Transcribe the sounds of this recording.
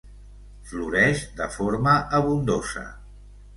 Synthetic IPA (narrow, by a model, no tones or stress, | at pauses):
fluɾɛʒd̪əfoɾməʔəβund̪osə̰